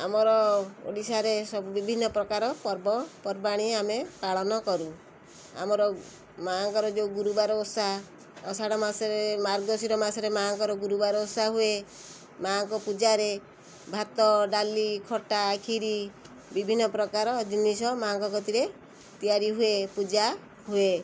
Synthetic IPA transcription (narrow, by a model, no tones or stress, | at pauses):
amɔɾɔo̰ɽisaɾesɔbubibʱinːɔpɾɔkaɾɔpɔɾbɔpɔɾbaɽ̃iamepaɭɔnɔkɔɾu | a̰mɔɾɔ | maŋkɔɾɔd͡ʒeuɡuɾubaɾɔosa | ɔsaɽɔmasɾemaɾɡɔd̪ɔsiɾɔmasɔɾemaŋkɔɾɔɡuɾubaɾɔosaɦue | maŋkɔpud͡ʒaɾe | bʱat̪ɔɖalikʰɔʈakʰiɾi | bibʱinːɔpɾɔkaɾɔd͡ʒinisɔmaːŋkɔkɔt̪iɾe | t̪ijaɾiɦuepud͡ʒa | ɦue